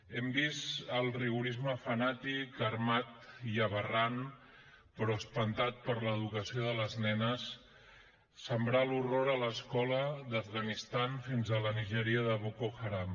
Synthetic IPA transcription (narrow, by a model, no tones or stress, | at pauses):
ɛmbisəlˠriɣuɾizməfənat̪ikəɾmat̪iəβəran | pɾɔəspənt̪at̪̚pəɾləðukəsioðələznɛnəs | əmbɾaluroɾələskɔləðəvɣənist̪anfinzələniʒəɾiəðəβokoxaɾam